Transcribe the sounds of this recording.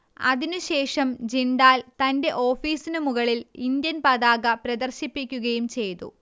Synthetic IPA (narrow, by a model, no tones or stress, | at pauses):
ɐ̰ðinuɕe̞ːʂɐmd͡ʑiɳɖaːlt̪ɐnde̞ʔo̞ːfiːsinumuɣɐɭilind̪jɐnpɐðaːɣɐpɾɐd̪ɐrɕipːikʲːuɣɐjumt͡ɕe̞jt̪ṵ